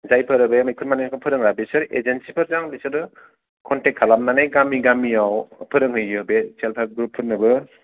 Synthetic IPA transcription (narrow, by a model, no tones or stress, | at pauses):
zajpʰɯɾɯbemajkʰɯɾmanenkʰɯpʰɯɾɯŋɾabesɯɾḛd͡ʒensipʰɯɾzaŋbisɯɾɯ | kʰɔntekʰalamnanajɡamiɡamiawpʰɯɾɯŋɦɯjɯbeselpʰaɾɡɾupʰːɯɾnɯbɯ